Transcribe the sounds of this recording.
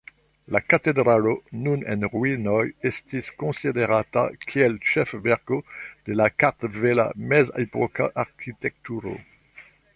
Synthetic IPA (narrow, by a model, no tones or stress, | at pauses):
lakat̪ed̪ʁalonunɛ̰̃nʁwinɔjɛst̪iskɔ̃sid̪eʁat̪a̰kʰiɛlʃɛfvɛʁkod̪̥elakaʁt̪vela̰mɛzepɔka̰ʔaʁkʰit̪ɛk̚t̪yʁo̰